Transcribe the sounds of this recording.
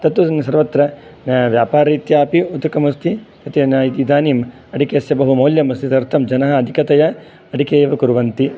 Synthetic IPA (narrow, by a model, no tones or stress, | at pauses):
t̪ɐt̪unsɐɾʋɐt̪ɾɐnʋjaːpaːɾɐit̪jaːpiut̪ːɐkɐmust̪ʰit̪ɐt̪inid̪aːnim | ɐɖikeɐsjɐbɐɦumɐːljɐmɐst̪ʰit̪ɐɾt̪ʰɐmd͡ʒɐnɐɦɐːd̪ʱikɐt̪ɐjɐ | ɐɖikeːʋɐkuɾʋɐnt̪i